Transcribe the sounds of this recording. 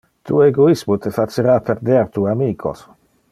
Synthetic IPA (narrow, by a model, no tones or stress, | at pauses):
t̪ʰṵːeɡoismut̪efat͡ʃːeɾaːpeɾd̪eɾt̪uːamiːkʰo̰s